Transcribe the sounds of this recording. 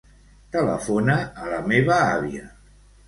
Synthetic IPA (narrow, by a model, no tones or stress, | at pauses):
t̪ələ̰fonaːləmeβəaβiə